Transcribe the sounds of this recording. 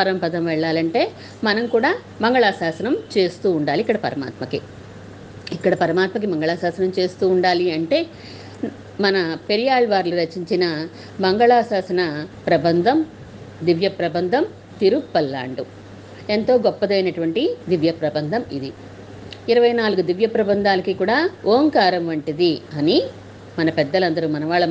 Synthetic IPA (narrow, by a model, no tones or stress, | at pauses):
pɐɾɐmpɐd̪ɐmʋɛɭːaːlɐɳʈe̞ː | mɐnɐmkuːɽaː | mɐŋɡɐɭaːsaːsɐnɐmt͡ʃe̞ːst̪uːɳɖaːlikːɐɽɐpɐɾɐma̰ːt̪mɐki | ikːɐɽɐpɐɾɐmaːt̪mɐk̬imɐŋɡɐɭaːsaːsɐnɐmt͡ʃe̞ːst̪uːɳɖaːliɐɳʈe̞ː | mɐnɐpeɾijaːɭʋaːɾluɾɐt͡ʃːiɲt͡ʃinɐ | mɐŋɡɐɭaːsaːsɐnɐpɾɐbɐnd̪ʱɐm | d̪iʋjɐpɾɐbɐnd̪ʱɐm | t̪iɾupɐlːa̰ːɳɖu | ent̪o̞ːɡɔpːɐd̪ɐjnɐʈuʋɐɳʈid̪iʋjɐpɾɐbɐnd̪ʱɐmid̪i | iɾɐʋɐjnaːluɡud̪iʋjɐpɾɐbɐnd̪ʱaːlɐkikuːɽaːoːŋkaːɾɐmʋɐɳʈid̪iɐni | mɐnɐpɛd̪ːɐlɐnd̪ɐɾumɐnɐʋaːɭːɐ